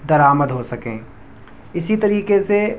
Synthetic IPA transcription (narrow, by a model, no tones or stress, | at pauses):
d̪ɐɾaːməd̪ɦosɐkḛ̃ː | ɪsit̪ɐɾiːkese